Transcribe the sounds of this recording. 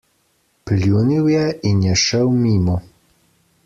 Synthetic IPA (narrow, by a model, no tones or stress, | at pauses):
plʲjuniwjɛinjɛʃəwmiːmu